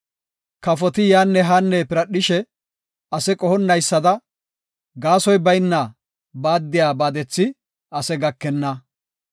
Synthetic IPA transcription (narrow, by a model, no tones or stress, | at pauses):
kɐfɔt̪ɪjaːnːɛɦanːɛpɪɾɐɗɪʃɛ | ɐsɛkʼɔhɔnːɐjsːɐd̪ɐ | ɡaːsɔjbɐjnːa | baːd̪ːɪjaːbaːd̪ɛt͡sːɪ | ɐsɛɡɐkːɛnːɐ